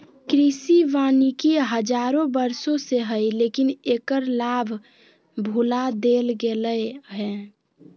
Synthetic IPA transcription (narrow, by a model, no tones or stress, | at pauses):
kɾisiʋaːnikiɦəd͡ʒaːɾõbəɾsõseɦəjleːkineːkəɾlaːbʱ | bʱulad̪elɡeləɦɛ